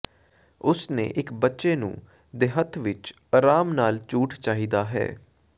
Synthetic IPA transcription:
ʊsnḛːʔɪkbətːʃeːnṵ̃ː | d̪eɦət̪ʰʋɪt͡ʃ | əɾaːmnaːlt͡ʃuːʈt͡ʃaːɦiːd̪aːɦɛ̰ː

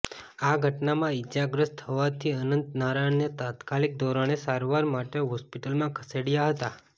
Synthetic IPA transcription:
aɡʱəʈnamãid͡ʒaɡɾəst̪ʰɦəʋat̪ʰiənənt̪naɾaɳnet̪at̪kalik̚d̪oɾañesaɾʋaɾmaʈeɦɔspiʈəlmãkʰəseɽjaɦət̪a

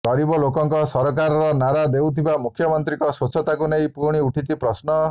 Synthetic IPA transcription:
ɡ̥ɔɾibɔlokɔŋkɔsɔɾɔk̬aɾɔɾɔnaɾad̪ewt̪ʰibamukʰjɔmɔnt̪ɾikɔsot͡ʃʰɔt̪akunejpuɾɽ̃iuʈʰit͡ʃʰipɾɔsnɔ

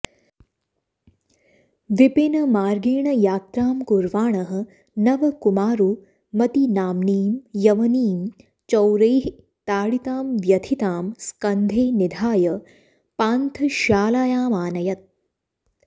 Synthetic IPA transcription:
ʋipinɐmaːɾɡiːɳɐjaːt̪ɾaːmkuɾʋaːɳɐɦɐ̆ | nɐʋɐkumaːɾu | mɐt̪inaːmniːmjɐʋɐniːm | t͡ʃɐwɾɐjɦ | t̪aːɽit̪aːmʋjɐt̪ʰit̪aːmskɐnd̪ʱeːnid̪ʱaːjɐ | paːnt̪ʰɐʃaːlaːjaːmaːnɐjɐt̪̚

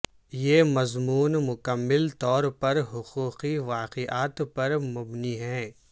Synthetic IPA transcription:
jeːmɐzmuːnmʊkəmːɪlt̪ɔːɾpɐɾɦʊquːqiʋaːqeʔaːt̪pɐɾmʊbniɦɛ̃ː

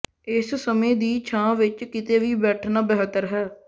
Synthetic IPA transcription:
ɪssəmẽːd̪iːt͡ʃʰãːʋɪt͡ʃkɪt̪eːʋiːbɛːʈʰnaːbɛːɦt̪əɾɦɛː

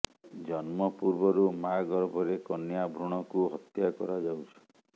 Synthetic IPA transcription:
d͡ʒɔnmɔpuɾbɔɾumaɡɔɾbʱɔɾekɔnjabʱɾuɽ̃ɔkuɦɔt̪jakɔ̰ɾad͡ʒawt͡ʃʰi̥

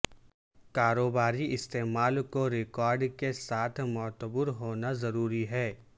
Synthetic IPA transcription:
kaːɾoːbaːɾiʔɪst̪eːmaːlkoɾɪkɔːɾɖkesaːt̪ʰmɔːt̪əbʊɾɦoːnazɐɾuːɾiɦɛː

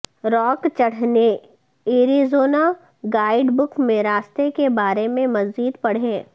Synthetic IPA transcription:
ɾɔːkt͡ʃɐɽ̤ne | eːɾizoːna | ɡaːɪɖbʊkmẽɾaːst̪ekebaːɾemẽmɐzd͡ʒiːd̪pɐɽ̤ɦẽː

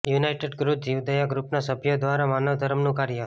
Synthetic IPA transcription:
junajʈeɖɡɾupd͡ʒiʋd̪əjaɡɾupnasəbʱjod̪ʋaɾamanəʋd̪ʱəɾəmnũkaɾjə

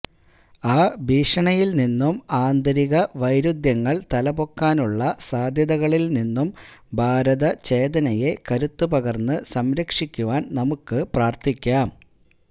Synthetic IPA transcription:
aːbʱiːʂɐɳɐjilninːumaːnd̪ɐɾiɣɐʋɐjɾud̪jɐŋːɐɭt̪ɐlɐbo̞kːaːnuɭːɐsaːd̪ʱjɐðɐɣɐɭilninːumbʱaːɾɐðɐt͡ɕe̞ːd̪ɐnɐje̞kɐɾut̪ːupɐɣɐrnːɨsɐmɾɐkʂikʲːuʋaːnnɐmukːɨpraːrt̪ikʲːaːm

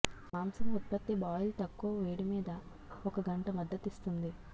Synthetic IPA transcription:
maːmsɐŋut̪̚pɐt̪ːibaːjɐlt̪ɐkːoːʋeːɽimiːd̪ɐ | ɔkɐɡɐɳʈɐmɐd̪ːɐt̪ist̪und̪i

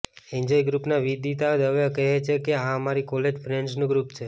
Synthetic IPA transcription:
eɲd͡ʒɔiɡɾupnaʋid̪it̪ad̪əʋəkəɦet͡ʃʰekeɦãəmaɾikɔled͡ʒfʰɾeɳɖznũɡɾupt͡ʃʰe

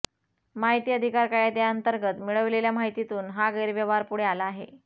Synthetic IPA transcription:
maɦit̪iːəd̪ʱikaɾkajad̪jaənt̪əɾɡət̪miɭəʋleljamaɦit̪it̪uːnɦaɡəjɾʋjəʋaɾpuɽ̤ealaːɦe

